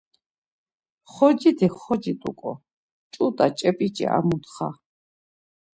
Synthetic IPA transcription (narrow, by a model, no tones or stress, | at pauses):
χɔd͡ʒit̪ʰiχɔd͡ʒit̪ʼṵkʼɔ̰ | t͡ʃʼut̪ʼat͡ʃʼɛpʼit͡ʃʼḭa̰mut̪χa̰